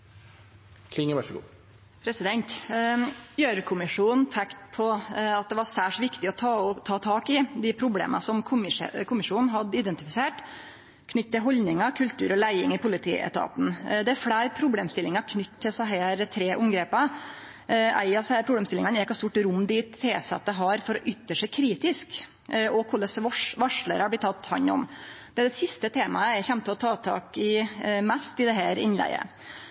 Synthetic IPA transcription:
kʰlɪŋːəʋæʂəɡṵː | pʰɾɛsɪd̪ɛnt̪ | jøːɾkʰʊmɪʂuːnn̩t̪ʰɛkt̪pʰɔɑt̪̚d̪ɛʋɑsæːʂʋɪkt̪ɪɔt̪ʰɑːt̪ʰɑːt̪ʰɑːkɪd̪ɪpʰɾʊblḛːmɑ̰sɔmkʰʊmɪ̰kʰʊmɪʂuːnn̩ɦɑd̪ɪd̪ɛnt̪ɪfɪseːʈ | kʰnʏt̪ːt̪ːɪlɦɔlnɪŋɑkʰʉlt̪ʰʉ̰ːɾɔlæɪɪŋɪpʰʊlɪt̪ʰḭːʔɛ̰t̪ʰɑ̰ːt̪nd̪ɛæɾfɽæɪɾpʰɾʊbleːmst̪ɪlːɪŋɑkʰnʏt̪ːt̪ʰːɪlsɛɦeːɾt̪ʰɾeːʔʊmɡɾeːpɑ | æ̰ɪɑshæːɾpʰɾʊbleːmst̪ɪlɪŋɑnjɛkːɑst̪uːʈɾʊmːd̪iɪːt̪ʰːeːsɑ̰t̪ːəɦɑɾfɔɾɔʔʏt̪ːəʂɛɪkʰɾiːt̪ɪsk | ɔkʰʊlːəsʋʂʋɑʂɭə̰ɾɑblɪt̪ʰːɑt̪ːhɑ̰ɲːɔ̰md̪̥ɛæd̪ɛsɪst̪ət̪ʰeːmɑəɛçɛmt̪ʰːlɔt̪ʰɑːt̪ʰɑ̰ːkɪmæst̪ɪd̪ɛɦæːɾɪnlæ̰ɪə̰

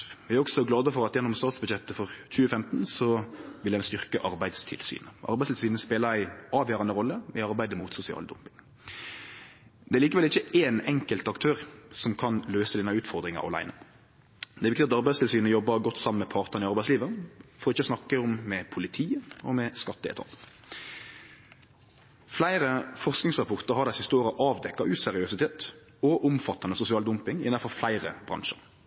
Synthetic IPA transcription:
ʋɪæɾɔksɔɡlɑːd̪əfɔʁɑt̪jɛnːɔmst̪ɑːt̪sbʉd̪jɛt̪ːəfɔʁc͡çʉːəfɛmt̪nsɔʋɪldænst̪ʏʁkəʔɑɾbæɪd̪st̪ʰɪ̰lsy̰ːnəʔɑ̰ɾbæɪst̪ɪlsyːnəspeːləɾæɪɑːʋjøːʁɑnəʁɔlːəɪɑɾbæɪd̪əmuːt̪sʊsɪɑ̰ːləd̪ʊ̰mpɪŋ | d̪̥ɛæɾliːkəʋɛlɪçːəeːnɛŋkəlt̪ɑkt̪ʰøːɾsɔmkʰɑnløːsəd̪ɪnɑʉːt̪fɔʁd̪ɾʁɪŋɑ̰ɾɑ̰læ̰ɪnə | d̪ɛɾɪkt̪ɪɑt̪ɑʁbæɪst̪ʰɪlsyːnɔjɔbːəɡɔt̪ːsɑmːn̩mɛpʰɑʁt̪ənɪɑʁbæɪsliːʋəfɔɾɔɪçːəsnɑkːəɔmːɛpʰʊlɪt̪ʰiːəɔmɛskɑt̪̚ːd̪ḛːt̪ʰɑ̰ːk | flæɪɾəfɔʁsknɪŋsʁɑpʰɔʁt̪əɾɦɑɾd̪æɪsɪst̪əoːɾəʔɑːʋd̪ɛkːɑʔʉːsɛɾɪøsɪt̪ʰeːt̪ | ɔʔʊmfɑt̪ːɑnəsʊsɪɑːld̪ʊmpɪŋɪʔɪnːɑfɔʁflæɪʁə̰b̥ɾɑ̰ŋʃə̰ɾ

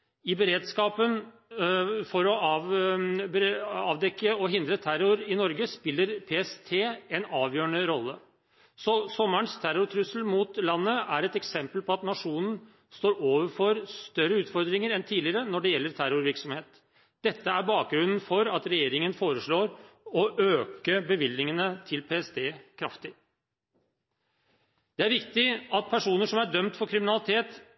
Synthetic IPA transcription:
ɪbəɾeːd̪skɑːpən | fɔɾɔɑːʋbɑːʋd̪ɛkːəɔɦɪnd̪ɾət̪ʰæɾʊɾɪnɔɾɡəspɪlːəɾpʰeːɛst̪ʰeːɛnɑːʋjøːəɳəɾɔlːə | sɔsɔmːəɳst̪ʰæɾʊɾt̪ʰɾʉsəlmut̪lɑnːəæɾɛt̪ɛksɛmpəlpʰɔɑt̪nɑʂuːnən̩ | st̪oːɾoːʋəɾfɔɾst̪œɾːəʉːt̪fɔɾd̪ɾɪŋəɾɛnt̪ʰiːlɪəɾənɔɖɛjɛlːəɾt̪ʰæɾʊɾʋɪɾksɔmheːt̪ | d̪̥ɛt̪ːəæɾbɑːk̚ɡɾʉnːn̩fɔɾɑt̪ɾɛjeːɾɪŋənfoːɾəʂɭoːɾɔʔøːkəbəʋɪlːɪŋənət̪ʰɪlpʰeːɛsd̪eːkʰɾɑft̪ɪ | d̪̥ɛæɾʋɪkt̪ɪɑt̪̚pʰæʂuːnəʂɔmæɖœmt̪fɔɾkʰɾɪmɪnɑlɪt̪ʰeːt̪

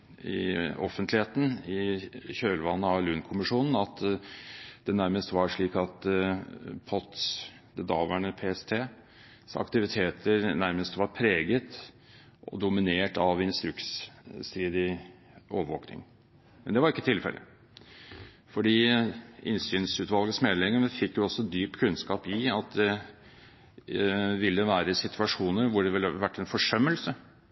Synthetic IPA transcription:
ɪ̰ɔfənt̪lɪheːt̪n̩ɪçøːlʋɑnːəɑlʉnkʰʊmɪʂuːnn̩ɑt̪ | d̪̥ɛnæɾməst̪ʋɑɾʂɭiːkɑt̪ | pʰɔt̪s | d̪ɛd̪ɑːʋæɳəpʰeːɛst̪ʰeː | sɑ̰kt̪ɪʋɪt̪ʰeːt̪ʰəɾnæɾməst̪ʋɑɾpʰɾeːɡət̪ | ʔɔ̰d̪ʊmɪneːʈɑʋɪnst̪ɾʉksst̪ɾiːd̪ɪ | ʔo̰ːʋəʋo̰ːknɪ̰ŋ | mɛnd̪ɛʋɑɾɪkːət̪ʰɪlfɛ̰lʔə̰ | fɔɖiːɪnsyːnsʉt̪ʋɑlɡəsmɛd̪lɪŋːəməfɪkːjʊɔsɔd̪yːpkʰʉnskɑːpɪɑt̪̚d̪ɛ | ʋɪlːəʋæːɾəsɪt̪ʰʉɑʂuːnəɾʋʊɖɛʋɪlːʋæʈːɛnfɔʂœmːəlsə

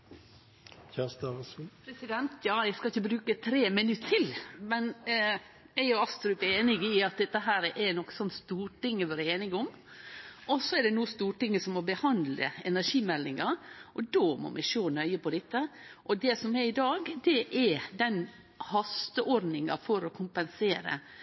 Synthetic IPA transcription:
çæst̪ɑspʰɾɛsɪd̪ɛnt̪ʰjɑːæɪskɑɪçːəbɾʉːkət̪ʰɾeːmənʉt̪ːt̪ʰːɪlmɛn | æɪɔɑst̪ɾʉpæeːnɪɡɪɑt̪̚d̪ɛt̪ːəɦæːɾʔɛnɔkːə̥sɔnːst̪uːɾʈɪŋːəʋɑːɾəeːnɪɡʊm | ʔɔsːɔɛɖɛnuːəst̪uːʈɪŋːəsɔmːɔbəhɑnd̪lə̰ɛnæɾʂiːmɛlːɪŋɑʔɔd̪oːmɔ̰mʔæɪʃoːnœʏəpɔd̪ɛt̪ːəʔɔd̪ɛsɔmɛɾɪd̪ɑːɡd̪ɛʔɛd̪ɛn | hɑst̪əʔɔɾd̪nɪŋɑ̰fɔɾɔkʰʊmpɛnseːɾə̰

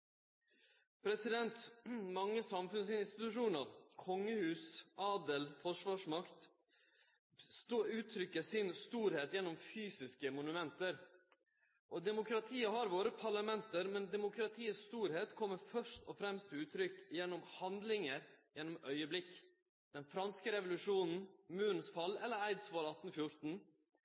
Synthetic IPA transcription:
pʰɾɛsɪd̪ɛnt̪mɑŋːəsɑmfʉnsɪnnst̪ɪt̪ʉʂuːnəɾkʰɔŋːəhʉːsʔɑːd̪əlfɔʂʋɑːʂmɑkt̪ | ʉːt̪ʰɾʏkːəsɪnst̪uːɾheːt̪jɛnːɔmfyːsɪskəmʊnʉmɛnt̪əɾ | ʔɔd̪ɛmʊkʰɾɑt̪ʰiːəɦɑɾʋoːɾəpʰɑɭɑmɛnt̪əɾmɛnd̪ɛmʊkɾɑt̪ʰiːəsst̪uːɾheːt̪kʰɔmːəɾfœʂtɔfɾɛmst̪ʰɪʉːt̪ʰɾʏkjɛnːɔmhɑnd̪lɪŋəɾjɛnːɔmœʏəblɪkː | d̪̥ɛnfɾɑnskəɾɛʋʊlʉʂuːnn̩mʉːɾn̩sfɑlːɛlːəɾæɪd̪sʋɑːɾɑt̪n̩fjʊɾt̪n̩

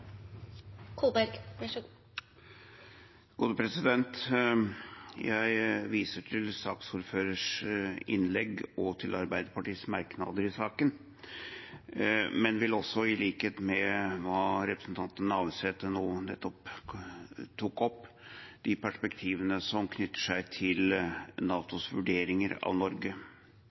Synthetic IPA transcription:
kʰuːlbæɾɡ | ɡ̥uːd̪əpʰɾɛsɪd̪ɛnt̪ | jæɪʋiːsəʈʰɪlsɑːksuːɾføːɾəʂɪ̰nlɛɡɔt̪ʰɪlʔɑɾbæɪd̪əpɑʈiːsmɑɾknɑ̰d̪əɾɪsɑːkən | mɛnʋɪlɔsːɔɪliːkheːt̪mɛʋɑːɾɛpɾəsnt̪ʰɑnt̪ənəɑːʋəseːt̪ənoːnɛt̪ːɔp | t̪ʰukɔpː | d̪̥ɪpʰæʂpɛkt̪ʰiːʋənəsɔmkʰnʏt̪ːə̥ʂæɪt̪ʰɪlnɑːt̪ʊsʋʉɖeːɾɪŋəɾɑ̰ʋnɔɾɡə

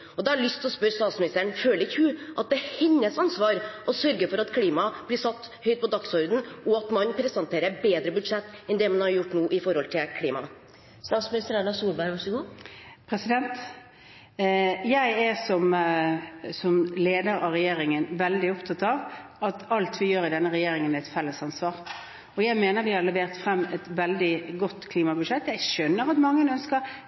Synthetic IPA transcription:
ɔd̪ɛɑɾɭʏst̪ʰɪlɔspœɾst̪ɑːt̪smɪnɪst̪əəɳføːləɾɪçʉːʔɑt̪̚d̪ɛhɪnːəsɑnsʋɑːɾʔɔsœɾɡəfɔɾɑt̪kʰliːmɑb̥lɪsɑt̪ːhœʏt̪̚pʰɔd̪ɑksɔɾd̪n̩ɔɑt̪mɑnpʰɾɛsɑnt̪ʰeːɾəɾbeːd̪ɾəbʉd̪ʂɛt̪ːɛnd̪ɛmɑnhɑɾjʊʈːnuːʔɪfɔɾhɔlt̪ʰɪlkʰliːmɑ̰ | st̪ɑːt̪smɪnɪst̪əɾæɳɑsuːɾbæɪɾʋɑʂɡuːpʰɾɛsɪd̪ɛnt̪ | jæɪɛsɔm | sɔmleːd̪əɾɑʋɾɛjeːɾɪŋənʋɛld̪ɪɔpt̪ʰɑt̪ːɑʋɑt̪ɑlt̪ʋɪjøːɾɪd̪ɛnːəɾɛjeːɾɪŋənæɛt̪fɛlːəsɑnsʋɑːʁ | ɔjæɪmeːnəɾʋɪhɑɾlɛʋeːɾt̪fɾɛmːɛt̪ʋɛld̪ɪɡɔt̪ːkʰliːmɑbʉd̪ʂɛt̪ːjæɪʃœnːəɾɑt̪mɑŋːəənœnskəɾ

